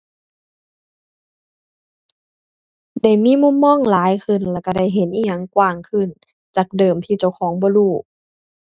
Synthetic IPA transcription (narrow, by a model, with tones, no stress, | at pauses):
da˧˥˩jmiː˧˥˨mu˧˥˨mːɔː˧˥˨ŋlaː˨˦jkʰɯ˧˩˨nlɛː˧˩ka˧˩da˧˩jɦe˨˦nʔiː˧˩ɲa˧˩˨ŋkwaː˧˩ŋkʰɯ˧˩˨n | t͡ɕaː˨˩k̚dɤː˨˩mt̪ʰiː˧˩t͡ɕa˧˩wxʰɔː˩˦ŋbɔː˧˦luː˧˩